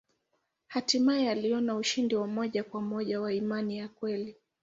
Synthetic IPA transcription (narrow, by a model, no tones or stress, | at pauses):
hatimajɛaliɔnauʃindiwamɔʄakwamɔʄawaimanijakwɛli